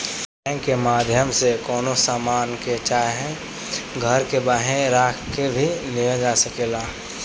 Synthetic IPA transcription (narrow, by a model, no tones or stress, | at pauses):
ẽkemaːd̪ʱjəmsekɔːnosaːmaːnket͡ʃaːɦɛ̃ | ɡʱəɾkebaːɦẽɾaːkʰkebʱilijad͡ʒaːsəkelaː